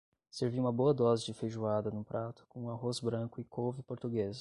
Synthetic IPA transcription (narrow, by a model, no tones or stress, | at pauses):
seɾviũmɐboɐd̪ɔzɪd͡ʒɪfejʒuad̪ɐnʊ̃pɾat̪ʊ̥kõũaɦozbɾɐ̃kʊɪkovɪpoɾt̪uɡez